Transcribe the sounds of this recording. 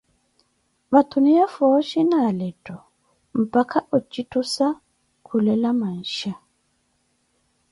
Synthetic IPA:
βatʰunijafɔʃinalɛtʼɔ | m̩pakʰaʔut͡ʃʼitusa | kʰulɛlaman̩ʃa

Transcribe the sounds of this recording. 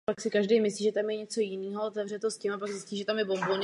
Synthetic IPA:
paksɪkaʒdɛjmɪsliːʒɛt̪amjɛɲɛt͡so̞jɪniːɦoot̪ɛvr̝ɛt̪o̞scɪmapaɡzɪsciːʒɛt̪amjɛbo̞mbon

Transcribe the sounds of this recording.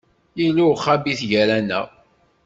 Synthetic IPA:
jiluχabiθʝæɾænæ̰

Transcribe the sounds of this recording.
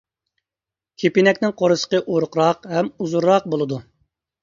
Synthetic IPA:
kʲʰepinɛkʲnɪŋqʰoɾɨsə̥qəʔoɾʊqɾɑqɦɛmuzuɾːɑq̚bolˠɨd̪u

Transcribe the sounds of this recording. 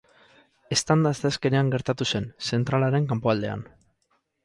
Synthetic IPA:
e̞st̪and̪aseaske̞ne̞aŋɡe̞ɾt̪at̪use̞nse̞nt̪ɾalaɾe̞ŋkampoald̪e̞a̰n

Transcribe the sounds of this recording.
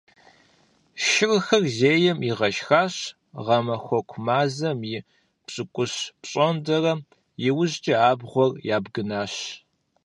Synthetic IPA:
ʃɪrxɐrzeːjɛmiʁɐʃxaːɕ | ʁɐmɐxʷɔkʷʰʊmaːzɐmi | pɕʼɨkʷʼʊɕpɕʼɔndɐrɐ | jɪwʊʑt͡ʃʼɪaːbʁʷɔrjaːbɡɨnaːɕ

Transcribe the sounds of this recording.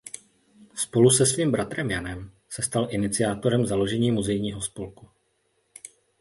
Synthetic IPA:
spo̞lusɛsviːmbɾat̪ɾɛmjanɛm | sɛst̪alʔɪnɪt͡sɪjaːt̪o̞ɾɛmzalo̞ʒɛɲiːmuzɛjɲiːɦo̞spo̞lku

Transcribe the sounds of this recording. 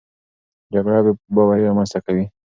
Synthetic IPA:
d͡ʒaɡɽabebawaiɾamanst̪akawi

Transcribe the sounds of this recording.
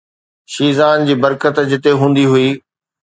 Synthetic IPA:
ʃiːzaːnd͡ʑiːbɐɾkət̪d͡ʑɪt̪eɦũːn̆d̪iɦʊiː

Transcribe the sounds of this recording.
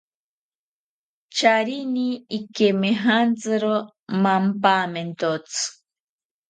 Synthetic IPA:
t͡ʃaɾiniikemeɦant͡sɨɾo | mampament̪ot͡sɨ̥

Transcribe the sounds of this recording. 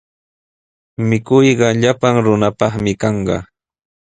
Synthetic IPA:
mɪkʊjɢɑʎapaŋɾʊnapɑχmɪkɑɴɢɑ̰

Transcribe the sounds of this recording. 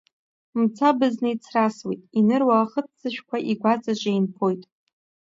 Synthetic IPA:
mt͡sʰabɨznɨit͡sʰraswḛtʼinɨrwaχət͡s̚ʰd͡zɨʃᶣkʷʰaʔiɡʷat͡sʼaʒʷʼejnpʰo̞jtʼ

